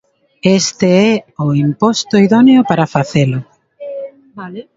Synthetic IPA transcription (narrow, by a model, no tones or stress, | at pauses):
est̪eɛʊimpɔst̪ʊiðɔneʊpaɾafaθelʊ